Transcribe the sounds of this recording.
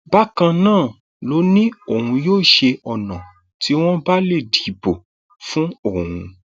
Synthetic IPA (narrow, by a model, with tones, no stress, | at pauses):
ba˦kã˧nãː˦˨ | lo˨˦nĩ˦o˦˨hũ˧joː˦˨ʃe˧ɔ˨nã˨ | tʰi˨˦w̃ɔ̃˦ba˦le˦˨di˨˦bo˨ | fũ˦o˦˨hũ˧